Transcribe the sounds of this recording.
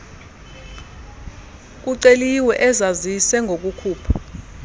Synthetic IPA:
k̬uǀeliwɛʔɛzazisɛŋɡʱok̬ʼukʰuːpʰḁ

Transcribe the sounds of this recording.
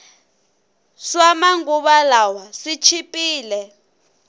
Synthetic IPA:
swamaŋɡuβalawasit͡ʃʰipʼiːlɛ

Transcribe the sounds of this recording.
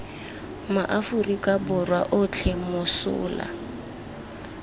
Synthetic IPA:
maʔafʊrikʼabʊrwaʔʊt͡ɬʰemʊsʊ̰ːla̰

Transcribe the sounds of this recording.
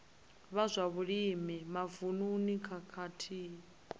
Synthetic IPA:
βazʷaβuɺimimavununikʰakʰatʰiː

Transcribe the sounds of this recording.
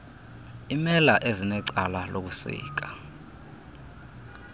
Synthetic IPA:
imɛlaʔezinɛǀalalok̬usḭːk̬ḁ

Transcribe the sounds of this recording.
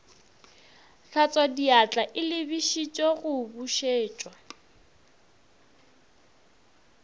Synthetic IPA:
ɬʰat͡sʼadiat͡ɬʼaʔɪlɪbiʃit͡ʃʼɔɣʊbuʃeːt͡ʃʼwa

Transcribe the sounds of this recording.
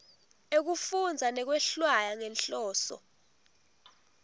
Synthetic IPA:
ek̬ufund͡zʱanɛk̬wɛɬwajaŋɛnɬɔːsɔ̰

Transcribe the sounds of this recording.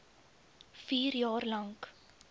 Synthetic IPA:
fiːrjɑːrlɐŋk

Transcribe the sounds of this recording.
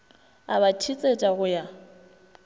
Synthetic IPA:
a̰bat͡ʃʰit͡sʼet͡ʃʼaɣʊja

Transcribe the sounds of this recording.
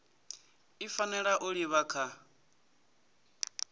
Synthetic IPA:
ifanɛɺaʔuɺiβakʰa

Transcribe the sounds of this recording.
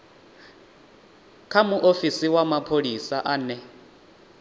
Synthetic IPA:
kʰamuʔofisiwamapʰolisaʔanɛ

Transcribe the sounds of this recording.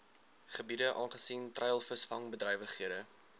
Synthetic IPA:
χəbidəʔɑːnχə̥siːntrɛjəlˠfəsfɐŋbədrɛjvəχɦiədə

